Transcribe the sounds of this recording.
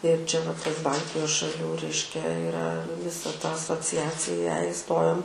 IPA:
ɪr ˈt͡ʃʲɛ ʋɐ ˈtɐs ˈbɐlʲtʲɪjoːs ʃɐˈlʲuː ˈrʲɛɪʃʲkʲɛ ɪˈrɐ ʋʲɪˈsɐ tɐ ɐsoːt͡sʲɪˈɑːt͡sʲɪjæː ɪˈstoːjoːm

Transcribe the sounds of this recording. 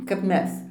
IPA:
kɐp ˈmʲɛs

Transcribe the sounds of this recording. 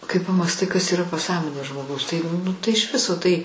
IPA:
kɐɪ pɐmɑːsˈtɐɪ kɐs iːˈrɐ pɐˈsɑːmoːnʲeː ʒmoːˈɡɐʊs tɐɪ nʊ tɐɪ ɪʃ ˈʋʲɪsoː tɐɪ

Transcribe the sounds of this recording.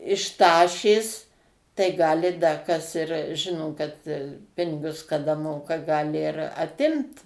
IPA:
ɪʃ ˈtɑːʃʲeːs tɐɪ ˈɡɑːlʲɪ dɐ kɐs ɪr ˈʒʲɪnoː kɐt ˈpʲɪnʲɪɡʊs kɐˈdɐ ˈmoːkɐ ˈɡɑːlʲɪ ɪr ɐˈtʲɪmt

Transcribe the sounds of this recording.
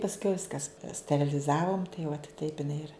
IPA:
pɐsʲˈkʲɛʊ ˈʋʲɪskɐs sʲtʲɛrʲɪlʲɪˈzɑːʋoːm tɐɪ ʊɐt tɐɪp ɪˈnɐɪ ɪr

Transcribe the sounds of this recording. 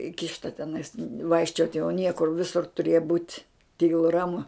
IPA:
ˈɪkʲɪʃtɐ tʲɛˈnɐɪs ˈʋɐɪkʃʲt͡ʃʲoːtʲ jɛʊ ˈnʲiɛkʊr ˈʋʲɪsʊr tʊˈrʲeːjɛ buːtʲ ˈtʲiːlˠʊ ˈrɑːmʊ

